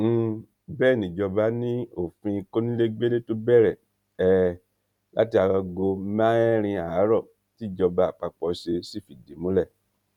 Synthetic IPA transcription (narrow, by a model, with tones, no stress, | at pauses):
bɛː˦˨nĩ˨d͡ʒɔ˧ba˦nĩ˦o˦˨fĩ˧ko˦nĩ˦le˦ɡ͡be˦le˦to˦bɛ˦˨ɾɛ˨ | ɛ˦˨ | la˦ti˧a˧wa˧ɡo˧mã˦ɛ˦ɾ̃ĩ˧a˨˦ɾɔ˦˨ | ti˦˨d͡ʒɔ˧ba˨˦˨k͡pa˧k͡pɔ˧ʃe˧si˦˨fi˨di˨˦mũ˨˦lɛ˦˨